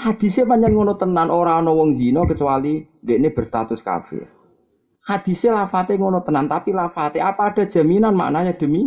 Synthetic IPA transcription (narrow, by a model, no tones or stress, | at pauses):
had̪̥i̤sepaɲd͡ʒaŋŋɔnɔt̪ənːanʔoɾaɔnɔwɔŋzinɔkət͡ʃuwalind̪eʔneb̥ə̤rst̪a̰t̪ʊska̰fɪ̰r | had̪̥i̤selafat̪eŋɔnɔt̪ənant̪apilafat̪eapaːɖ̥a̤̥ʒ̥ä̤minanma̰ʔnaɲad̪̥ə̤mi